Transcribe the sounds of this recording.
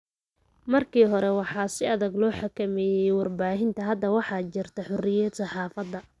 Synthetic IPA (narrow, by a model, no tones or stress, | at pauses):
mɐrkʰiːɦɔɾɛwɑħɑːsɪɐðɐɡlɔːħɑkʰɐmɛːjɛjwɑrbaːɦɪnt̪ʰɐɦɐd̪ːɐwɑħɑːt͡ʃɪrt̪ʰɐħʊrɪjɛsɑħɑːfɐd̪ːɐ